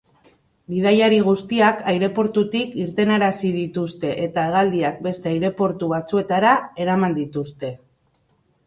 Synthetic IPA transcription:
bið̞ajaɾiɣ̞ust̪iakajɾe̞po̞ɾt̪ut̪ikiɾt̪e̞naɾasið̞it̪ust̪e̞ʔet̪aeɣ̞ald̪iak̚be̞st̪e̞ajɾe̞po̞ɾt̪uβ̞at͡sue̞t̪aɾae̞ɾamand̪it̪ust̪e̞

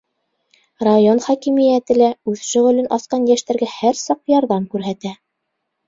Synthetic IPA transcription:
rajonχɑkimĭjæt̪ɘ̆læʉðʃɵ̆ʁɵ̆lɘnʔɑsqɑnjæʃt̪æɾɡæhæɾsɑq̚jɑɾðɑmkʉɾɦæt̪æ

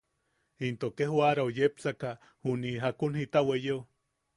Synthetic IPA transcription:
int̪okeɦwaɾaojepsaka | huniɦakunhit̪awejew

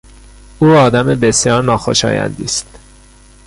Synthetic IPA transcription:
uːɒːd̪æmebe̞sjɒːɾnɒːxo̞̰ʃɒ̰ːjæ̰nd̪ḭːst̪

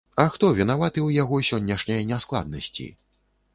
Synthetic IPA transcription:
ɐxt̪ɔvʲinavat̪ɨwjaɣɔsʲɔnʲːɛʂnʲɐjɐnʲasklˠa̰d̪̚nɐsʲt͡sʲḭ

